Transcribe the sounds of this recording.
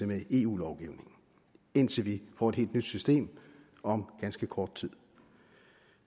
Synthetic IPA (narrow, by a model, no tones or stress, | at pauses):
emeʔe̝ːṵːlɒʊɡ̥iʊne̝ŋ̩ | e̝n̰t͡sʰe̝lʋifɒ̰ːe̝̥he̝̰ld̥nyd̥sysd̥e̝̰ːm | ɒ̽mɡ̥ænsɡ̥əkʰɒːd̥̚t͡sʰið̰ˠ